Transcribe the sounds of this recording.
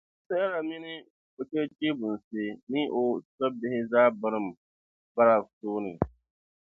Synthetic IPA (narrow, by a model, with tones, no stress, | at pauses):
sɛ˦a˦ɾa˨mɪ˦nɪ˦ | ko˨t͡ʃɛ˦t͡ʃi˦bʊ˨n̩˨seː˦nɪ˦ʔo˨sɔ˦b̚bɪ˦hɪ˦zaː˦ba˦ɾɨ˦m˨ | ba˦ɾa˨soː˦nɪ˨